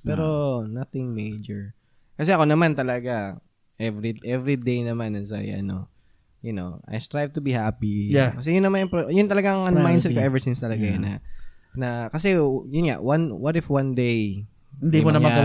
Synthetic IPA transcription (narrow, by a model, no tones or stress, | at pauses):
pɛɾonɐθɪŋmejd͡ʒɛɹ | kɐs̬ɛʔɐko̞nɐmant̪ɐlɐɡa | ʔɛvɾiʔɛvɾid̪ejnɐmanɐsa̰jʔɐ̰no̞̰ | jʊno̞̰ʔɐ̰jst̪ɹajv̚t̪ʊbihaːpijakɐs̬ɛjʊnːɐmanɐŋpojʊnt̪ɐlɐɡaŋʔɐnomajnsɛlkoʔɛvɛɹsinst̪ɐlɐɡajanɐ̰nɐkɐsɛjʊnŋa̰ʔwanwɐɾɪfwand̪ej | nd̪imonɐa